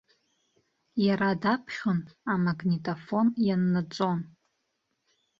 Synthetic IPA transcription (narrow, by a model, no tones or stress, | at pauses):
jaɾadapʰʃʲʊnamaɡnitʼofo̞njanːɨt͡sʼo̞n